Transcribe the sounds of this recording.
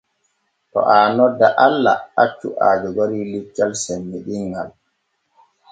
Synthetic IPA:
tɔ̰ʔaːnɔdːaʔalːa̰at͡ʃːṵʔaːd͡ʒɔɡoɾiːlit͡ʃːalsɛmːiɗiŋɡal

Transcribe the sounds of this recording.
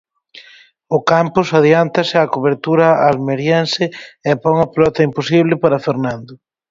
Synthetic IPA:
ʊkampʊsað̞iant̪ɐsɪakoβeɾt̪uɾɐalmeɾjɛnsɪepɔŋɐpelɔt̪ɐimposiβ̞lɪpaɾɐfeɾnãnd̪ʊ

